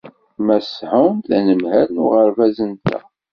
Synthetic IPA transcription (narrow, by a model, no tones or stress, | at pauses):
mæsħʊnθænəmɦælnʊ̰ʁəɾvæzənt̪æ̰